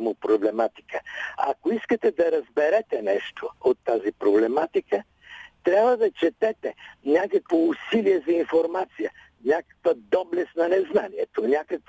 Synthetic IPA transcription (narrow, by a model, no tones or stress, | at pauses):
mʊpɾoblɛmat̪i̥kəɐ̰koiskət̪ɛd̪ɐɾɐzbɛɾɛt̪ɛnɛʃt̪ʰoot̪ːazipɾoblɛmat̪ikə | t̪ɾʲjabvəd̪ɐt͡ʃɛt̪ɛt̪ɛnʲakəkvoːsiliɛzɐinfoɾmat̪sijə | nʲakə̥kvəd̪ɔblɛsnɐnɛznaniɛt̪onʲakək